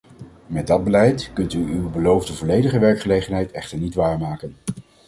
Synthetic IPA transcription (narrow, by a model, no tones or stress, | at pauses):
mɛd̚dɑd̚bəlɛjtkɵntyywbəlowvdəvɔlejdəχəʋɛɹkχəlejχənɦɛjtɛχtəɹnitʋaːɹmaːkən